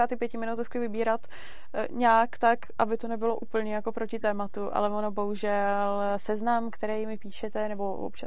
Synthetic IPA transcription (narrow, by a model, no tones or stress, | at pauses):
aːt̪ɪpjɛcɪmɪnut̪ufkɪvɪbiːɾat̪ | ɲaːkt̪akʔabɪt̪o̞nɛbɪlo̞ʔuːpl̩ɲɛjako̞pɾo̞cɪt̪ɛːmat̪uʔa̰lɛvonobo̞ɦuʒɛl | sɛznamkt̪ɛɾɛjmɪpiːʃɛt̪ɛnɛbo̞vo̰pt͡ʃa